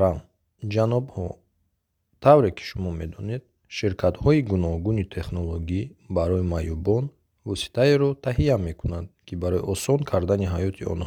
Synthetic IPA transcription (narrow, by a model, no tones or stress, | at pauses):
ɾam | d͡ʒanɔbhɔ | t̪ʰavɾe̞kʰi̥ʃumɔme̞d̪ɔned̪̚ | ʃiɾkʰat̪hɔiɡunɔhɡunit̪ʰe̞χnoloɡibaɾɔimajubɔn | vɔsi̥t̪ʰaeɾɔt̪ʰaɦijame̞kʰunad̪̚kʰibaɾɔiʔɔsɔnkʰaɾd̪aniɦajɔt̪ʰiɔ̰nhɔ